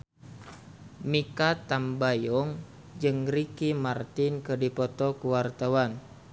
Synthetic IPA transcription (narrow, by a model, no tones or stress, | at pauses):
mikat̪ambajɔŋ | d͡ʒɨŋrikimart̪inkɨdipɔt̪ɔkuwart̪awan